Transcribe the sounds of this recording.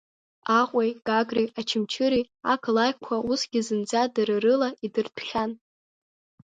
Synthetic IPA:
aqʷʼejɡaɡriat͡ʃʰɪmt͡ʃʰɨɾi | akʰlajkʷʰausɡʲizɨnd͡zadɨrɨrɨlaidɨrtʰχʲan

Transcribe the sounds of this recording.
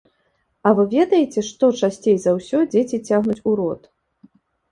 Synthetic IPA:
ɐvɨvʲɛd̪ɐjɛt͡sʲɛʂt̪ɔt͡ʂasʲt͡sʲejzɐwsʲɔd͡zʲet͡sʲit͡sʲaɣnut͡sʲuɾɔt̪

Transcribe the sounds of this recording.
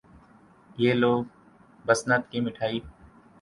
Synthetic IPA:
jeːloːɡ | bəsnət̪kiːmɪʈʰaːiː

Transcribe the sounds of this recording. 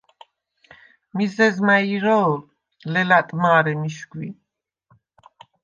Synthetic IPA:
mizɛzmaiɾɔ | lɛlat̪ʼmaːɾɛmiʃɡwi

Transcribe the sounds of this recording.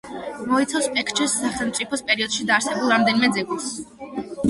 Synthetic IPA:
mɔit̪sʰaspʼɛkʰt͡ʃʰʼɛsːaχɛmt̪sʼipʰɔspʼɛɾiɔd̪̥ʃid̪aːɾsɛbulˠɾamd̪ɛnimɛd̪zɛɡus

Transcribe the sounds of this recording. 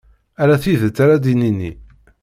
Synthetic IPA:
æɾæθiðət͡sːaɾad̪ininːḭ

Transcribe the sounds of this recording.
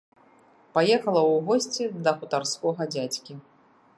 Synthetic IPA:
pajɛxɐlˠɐwɣɔsʲt͡sʲid̪ɐxut̪arskɔɣɐd͡zʲat͡sʲkʲi

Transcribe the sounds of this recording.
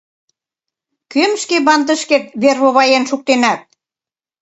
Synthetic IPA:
kømʃkeβɑnd̪ə̆ʃket̪̚βerβoβɑjenʃuk̚t̪enæt̪̚

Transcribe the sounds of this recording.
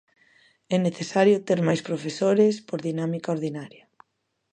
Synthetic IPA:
ɛneθesaɾjot̪eɾmajspɾofesoɾespoɾðinamikaoɾðinaɾjɐ

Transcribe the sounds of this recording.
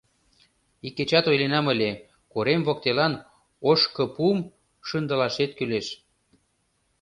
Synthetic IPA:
ikːet͡ɕɑt̪ojlenɑməlʲe | koɾemβok̚t̪elɑn | oʃkɤ̆pum | ʃənd̪ə̆lɑʃet̪̚kyleʃ

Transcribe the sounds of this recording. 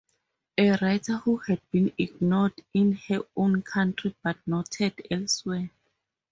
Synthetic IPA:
ɛɹajtʰahuhɛd̚bĩniɡnɔdĩnhɛõnkʰãntʰɹibat̚nɔtʰɛdɛlswɛ

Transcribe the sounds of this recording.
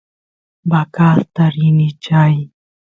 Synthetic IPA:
bakaːst̪aɾinit͡ʃaj

